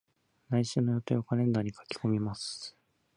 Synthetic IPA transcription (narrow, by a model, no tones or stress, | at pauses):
naiɕɨːno̞jo̞t̪ejokanẽ̞nd̪aɲ̟ikʰḁkʲi̥ko̞mʲimasɨ̥